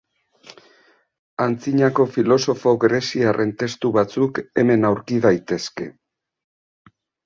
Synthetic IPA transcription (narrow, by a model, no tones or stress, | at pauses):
ant͡siɲako̞filo̞so̞fo̞ɣeɾe̞siarʔe̞nt̪e̞st̪uβat͡suke̞me̞nawɾkiðajt̪e̞ske̞̰